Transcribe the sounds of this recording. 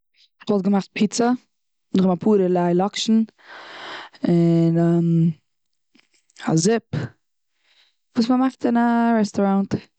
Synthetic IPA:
χɔltɡəmaχt̚pʰɪt͡sə | nχmapʰuːɾəlaɪlɔkʃn̩ | ɪnam | a̰zɪp | vuːsməmaχtɪnaɾɛstɔɾant

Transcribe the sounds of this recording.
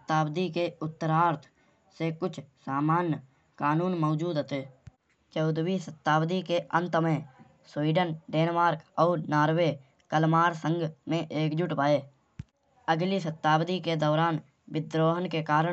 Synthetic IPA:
t̪ːaːbd̪ikeʊt̪ːəɾaːɾt̪ʰ | sekʊt͡ʃʰsaːmaːnj | kaːnuːnmɔːd͡ʒuːd̪ət̪eː | t͡ʃəʊd̪wiːsət̪ːaːbd̪ikeə̃nt̪əmẽ | swiːɖənɖeːnmaːɾkɔːɾnaːɾweː | kəlmaːɾsə̃ŋɡmẽʔeːkd͡ʒʊʈbaːeː | əɡlisət̪ːaːbd̪iked̪ɔːɾaːn | bɪd̪ɾoːɦənkekaːɾə

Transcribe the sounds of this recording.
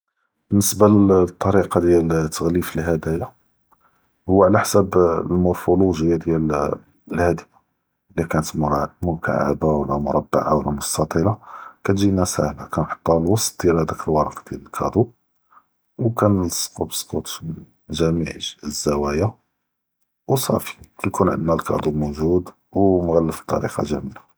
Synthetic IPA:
b̥ənːəsbalt̪ˤːɑɾiqɑd̪jælt̪ːəɣlifəlɦæd̪æja | hʊwːaʕlæħsæblmʊɾfuluʒəjːad̪jæl | əlhæd̪əfa | likænət̪mʊɾmʊka̰ʕa̰bawəlːæmʊɾˤɑbːa̰ʕawəlːæmʊst̪ɑt̪ˤilɑkæt̪ʒinæsæ̰hlakænħo̥t̪ˤːɑlwɑsˤt̪̚d̪jælhæd̪ækəlwɑɾˤɑqd̪̥jæləlkʰɑd̪ˤu | wkænsqubə̥sˤqut̪ˤ | ʒæmiʕzːæwæja | wsˤɑ̰fi̥kæjkunʕə̰nd̪nælkɑ̰d̪ˤumuʒud̪ | wmɣælːəfə̥t̪ˤːɑ̰ɾḭqɑ̰ʒæ̰mila

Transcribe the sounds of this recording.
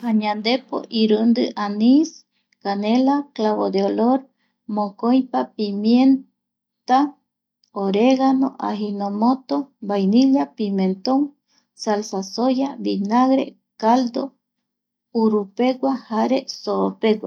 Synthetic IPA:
haɲãnd̪epo̰ʔiɾɨnd̪ɨʔanis | kanelaklaβod̪eoloɾ | mõkojpapimjen | t̪a | oɾeɣanoʔa̰ɦinõmõt̪obajniʎapimẽnt̪oŋ | salsasojaβinaɣɾḛ | kald̪o | uɾupeɡwahaɾesoopeɡwa

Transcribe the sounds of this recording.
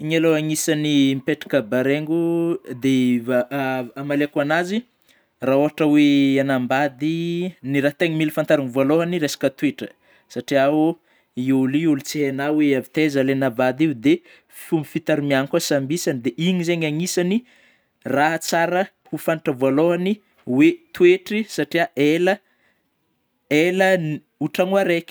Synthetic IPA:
iɲaloaŋisanimipeʈ͡ʂḁkəbaɾeŋɡud̪e | amalekuanazi | raoɦaʈ͡ʂəweanambad̪iniɾaht̪eŋmilfant̪aɾaŋivaloɦaniɾesḁkət̪wiʈ͡ʂə̥ | saʈ͡ʂiau | iuliulut͡siɦenaweavit̪ezəlenavad̪iud̪e | fumbifit̪aɾimiaŋkasambisand̪eʔiɲizeɲaŋisani | raɦt͡saɾə | hufanʈ͡ʂəvoloani | wet̪weʈ͡ʂisaʈ͡ʂiaelə | elən | uʈ͡ʂaŋuaɾeki̥

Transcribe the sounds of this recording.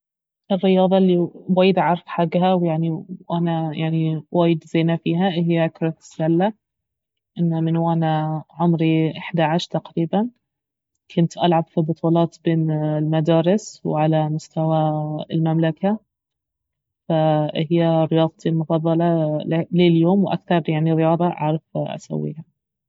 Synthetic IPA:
ʔɪrːɪjɑːðˤɑlːiwaːjːɪd̪ʕɑɾˤɑfħaɡːɦawjaʕniʔanajaʕniwaːjɪd̪zeːnafiːɦaʔɦɪjːaʔakɾˤɑt̪ɪ̥sːalːa | ʔɪnːamɪnwʔanaʕʊmɾiʔɪħd̪aʕaʃt̪aqɾiːban | kʰʊnt̪ʔalʕabfibʊt̪ˤuːlɑːt̪beːnɪlmad̪aːɾɪswʕalamʊst̪awaɪlmamlaka | fahɪjːaɾɪjɑːðˤt̪ilmʊfɑd̪ˤːɑlɑleːljoːmwʔa̰kθɑɾˤjaʕniɾɪjɑːðˤɑʔɑ̰ʕɾˤɑfʔa̰sa̰wːḭːha

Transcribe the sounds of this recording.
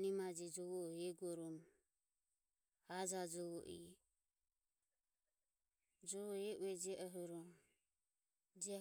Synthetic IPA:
nimad͡ʒid͡ʒɔβɔɛɡɔɾɔm | had͡ʒad͡ʒɔɔʔḭ | d͡ʒɔɔɛʔuɛd͡ʒɛʔɔɦɔɾɔm | d͡ʒɛ

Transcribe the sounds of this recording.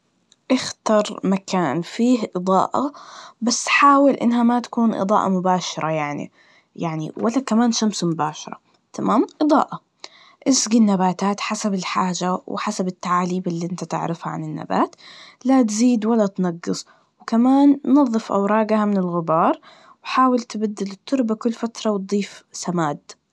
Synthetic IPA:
ʔɪxt̪ɑɾˤmakaːnfiːhʔɨd̪ˤɑ̰ːʔa̰basːħaːwɪlʔɪ̰nːɦamat̪ḁkuːnʔɨ̰d̪ˤɑ̰ːʔɑ̰mʊbaːʃɑɾˤɑjaʕnḭ | jaʕnḭwalːakamaːnʃamsmʊbaːʃɑɾˤɑ̰ | t̪amaːmʔɨd̪ˤɑ̰ːʔɑ | ʔɪsɡinːabaːt̪aːt̪ħasabɪlħaːʒaw̰ħasabɪt̪ːaʕaːliːbɪlːiʔɪnt̪at̪ɪ̰ʕɾɪfha̰ʕa̰nɪnːa̰ba̰ːt̪lat̪ziːd̪walːat̪nɑɡːɨsˤ | wkamaːnːɑðˤːɨfʔa̰wɾˤɑːɡahamɪnɪlɣɪbɑːɾˤ | wħaːwɪlt̪ɪbad̪ːɪlɪt̪ʰˤːʊɾˤbakʊlːfat̪ɾˤɑwt̪̚d̪ˤiːfsamaːd̪

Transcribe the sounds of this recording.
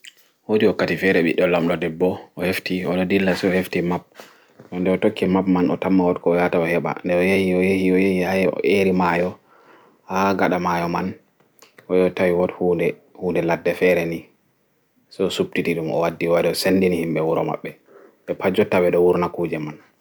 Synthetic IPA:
wodiwɔkːatifɛɾɛɓḭɗɔlamɗɔdɛbːɔʔɔheftiɔnɔdilːasɛɔheftimap̚ | ɗɔndɛɔtokʰːimapmanɔ̰tamːawɔtkɔːjataɔhɛɓa̰ndɛɔjehiɔjehiɔjehihajɛɔ̰ʔeɾimajɔ | haɡaɗamajɔman | ʔɔjɔtawiwɔthuːndɛhuːndɛladːɛfɛɾɛni | sɛɔsup̚titiɗumʔɔ̰wadːiwaɾɛɔsendinihimɓɛwuɾɔ̰ma̰ɓːɛ | ɓɛpʰad͡ʒɔtawɛɗɔwuɾnakud͡ʒɛman

